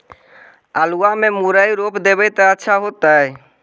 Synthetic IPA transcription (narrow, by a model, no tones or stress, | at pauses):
aluamemuɾəjɾopd̪ebəjt̪aətːʃʰaɦot̪ae